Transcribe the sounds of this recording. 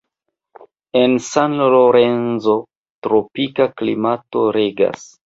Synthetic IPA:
e̞nsanloloɾe̞nzo̞ | tɾopikaklḭmato̞ɾeɡa̰s

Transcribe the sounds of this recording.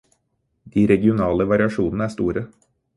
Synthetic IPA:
d̪̥iːɾɛɡɪʊnɑːləʋɑɾɪɑʃuːnn̩əæːst̪uːɾə

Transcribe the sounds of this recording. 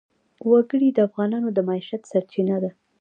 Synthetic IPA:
waɡəɽid̪əafɣɑnɑnod̪əmaiʃat̪saɾt͡ʃinad̪a

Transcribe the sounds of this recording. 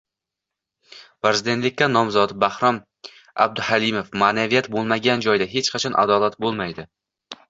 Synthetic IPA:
pɾezɪd̪e̞nt̪lɪkʲːanːɒmzɒt̪bahɾɒm | a̰b̚d̪ʊhalimofmaːnavijat̪bolˠmaɡʲand͡ʒɒjd̪aɦe̞t͡ʃqʰɑt͡ʃʰɒnʔa̰d̪ɒlat̪bolˠmajd̪ɪ

